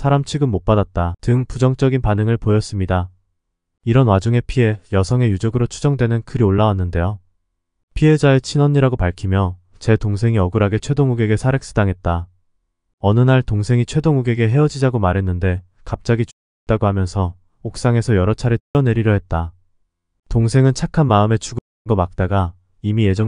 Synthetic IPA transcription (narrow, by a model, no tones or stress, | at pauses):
sʰaɾamt͡ɕʰiɡɯnmop͈adat̚t͈atɯŋpud͡ʑʌŋt͡ɕ͈ʌɡinpanɯŋɯɭpojʌs͈ɯmɲida | iɾʌnwad͡ʑuŋe̞pʰie̞jʌsʰʌŋe̞jud͡ʑʌɡɯɾot͡ɕʰud͡ʑʌŋdwe̞nɯnkɯɾioɭːawanːɯnde̞jo | pʰie̞d͡ʑaet͡ɕʰinʌɲːiɾaɡopaɭkʰimjʌ | t͡ɕe̞toŋs̬ʰe̞ŋiʌɡɯɾaɡe̞t͡ɕʰwe̞doŋuɡe̞ɡesʰaɾe̞k̚s͈ɯdaŋɦe̞t̚t͈a | ʌnɯnaɭtoŋsʰe̞ŋit͡ɕʰwe̞doŋuɡe̞ɡe̞ɦe̞ʌd͡ʑid͡ʑaɡomaɾɦe̞nːɯnde̞ | kap̚t͡ɕ͈aɡit͡ɕu | et̚t͈aɡohamjʌnsʰʌ | ok̚s͈aŋe̞sʰʌjʌɾʌt͡ɕʰaɾetʰiʌne̞ɾiɾjʌɦe̞t̚t͈a | toŋsʰe̞ŋɯnt͡ɕʰakʰanmaɯme̞t͡ɕuɡ | nɡʌmak̚t͈aɡa | imije̞d͡ʑʌ